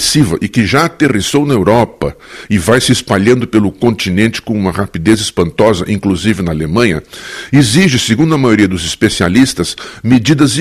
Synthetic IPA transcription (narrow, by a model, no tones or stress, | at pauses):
sivɐʔɪkɪʒaːt̪erisownɐewɾɔpɐɪvajsɪɪspaʎɐ̃nd̪ʊpelʊkõnt͡ʃ̪inẽnt͡ʃɪ̥kõũmɐʁapid̪ezɪspɐ̃nt̪ɔzɐ̰ʔĩkluzivɪnɐalemɐ̃ɲɐeziʒɪseɡũnd̪ʊɐmajoɾiɐd̪ʊzɪspesia̰list̪ɐz̥med͡ʒid̪ɐz